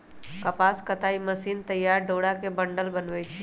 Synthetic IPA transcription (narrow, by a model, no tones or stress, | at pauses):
kɐpaːskət̪aːiməsiːnt̪ɐjːaːɾɖoːɽakebəɳɖəlbənʋet͡ʃʰe